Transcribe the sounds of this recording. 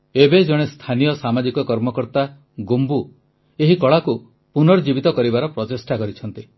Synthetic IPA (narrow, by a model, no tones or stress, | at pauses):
ebed͡ʒɔɽ̃est̪ʰanijɔsamad͡ʒikɔkɔɾmɔkɔɾt̪a | ɡumbu | eɦikɔɭaku | punɔɾd͡ʒibit̪ɔkɔɾibaɾɔpɾɔt̪esʈakɔɾit͡ʃʰɔnt̪i